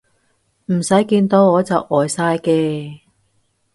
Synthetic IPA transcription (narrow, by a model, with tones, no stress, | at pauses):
m̩˨˩sɐ˨˥jkiː˧nt̪o˨˧wɔː˨˧t͡sɐ˨wʔɔː˨˩jsaː˧jkɛː˧